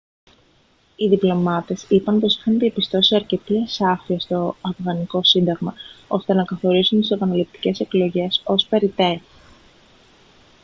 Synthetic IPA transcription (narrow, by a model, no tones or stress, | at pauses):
iðiplo̞mɐt̪e̞sipɐnpo̞si̥xɐnðiepist̪o̞siiɐɾce̞t̪iesɐfiɐst̪o̞ɐfɣɐniko̞sind̪ɐɣmɐo̞st̪e̞nɐkɐθo̞ɾisunt̪isepɐnɐlip̚t̪i̥ce̞se̞klo̞ʝe̞so̞spe̞ɾit̪e̞ɾ